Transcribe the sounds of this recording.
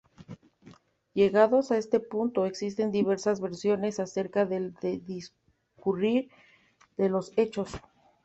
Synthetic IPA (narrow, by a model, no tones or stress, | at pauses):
ʝe̞ɣaðo̞sae̞st̪e̞punt̪o̞e̞ksis̬t̪e̞nd̪iβe̞ɾsazβe̞ɾsjo̞ne̞sase̞ɾkaðe̞ld̪eðis | kuriɾ | ðe̞lo̞se̞t͡ʃo̞s